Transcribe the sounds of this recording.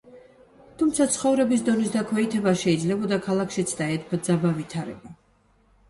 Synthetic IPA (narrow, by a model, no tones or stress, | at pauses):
t̪ʰumt̪sʰat̪sʰχɔvɾɛbis̬d̪ɔnisd̪akʰwɛit̪ʰɛbaʃɛid̪zlɛbɔd̪akʰalˠakʰʃit̪sʰd̪aɛt̪̚ʰbd̪zabavit̪ʰaɾɛ̰ba